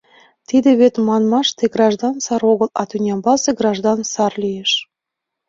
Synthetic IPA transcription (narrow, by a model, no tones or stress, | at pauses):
t̪id̪eβet̪mɑnmɑʃt̪eɡrɑʒd̪ɑnsɑɾoɣəlɑt̪ynʲɑmbɑseɡrɑʒd̪ɑnsɑrlʲijeʃ